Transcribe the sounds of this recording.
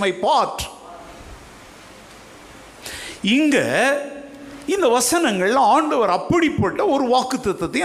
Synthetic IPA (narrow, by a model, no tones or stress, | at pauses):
mɐɪpaːʈ | ɪŋɡɐ | ɪnd̪ɐʋɐsɐnɐŋɡɐɭɪlãːaːɳɖɐʋɐɾɐpːɐɽipːɐʈːɐɔɾɯʋaːkːɯt̪ːɐt̪ːɐt̪ːɐj̃